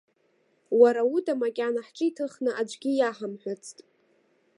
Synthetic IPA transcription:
waɾaudamakʲʼanaħt͡ʃʼɨitʰɨχnɨʔad͡ʒʷʼɡʲijaħamħʷᶣat͡sʰtʼ

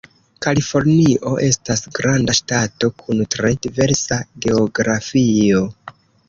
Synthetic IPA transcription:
kalifo̞ɾniʔo̞ʔe̞stasɡɾandaʃtato̞kʰuntɾe̞dive̞ɾsaɡe̞oɡɾafio̞

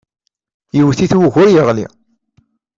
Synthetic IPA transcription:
jəwθiθwəʝʊɾjəʁlḭ

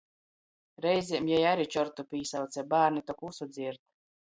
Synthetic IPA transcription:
ɾɛjzʲimjɛjaɾit͡ʃɔɾt̪upiːsawt̪sʲɛbaːɾnit̪ɔkusud̪zʲiɾt̪̚

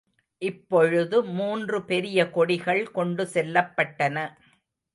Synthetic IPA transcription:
ʔɪpːɔɻɯðɯmuːndrɯpɛɾɪjɐkɔɽɪɣɐɭkɔɳɖɯsɛlːɐpːɐʈːɐnɐ

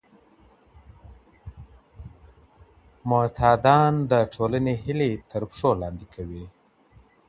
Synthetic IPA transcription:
mʊt̪ʰɑd̪ɑnd̪əʈʰolaneɦilet̪ʰəɾpʂolɑnd̪ikʰawi

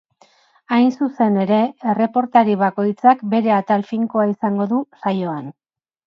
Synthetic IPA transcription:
ajnsuse̞ne̞ɾe̞ere̞po̞ɾt̪aɾiβ̞ako̞jt͡sakbe̞ɾe̞at̪alfiŋko̞aisaŋɡo̞ðusajo̞an

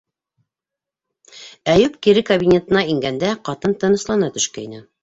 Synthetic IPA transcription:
æjʉpkiɾɘkobʲinʲet̪ɤ̆nɑiŋɡænd̪æqɑt̪ɤnt̪ɤ̆nɤ̆slˠɑnɑt̪ɵ̆ʃkæjinɘ

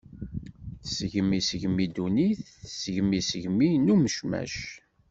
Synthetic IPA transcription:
θsəʝəmːisəʝmːid̪uniθsəʝmːisəʝminuməʃmæ̰ʃ

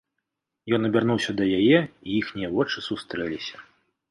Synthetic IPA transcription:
jɔnɐbʲarnuwsʲɐd̪ɐjajɛijixnʲijɐvɔt͡ʂɨsust̪ɾɛlʲisʲɐ̥

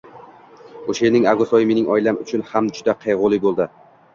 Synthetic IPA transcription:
oʃenɪŋaɡʊsɒjɪme̞nɪŋɒjlamʊt͡ʃʰʊnhamd͡ʒʊd̪aqʰejʁʊlˠɪbolˠd̪ɪ

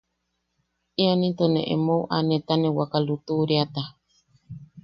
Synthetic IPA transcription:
ionĩt̪onḛ̃ʔḛmouʔanẽt̪anẽwakalut̪uɾeat̪a

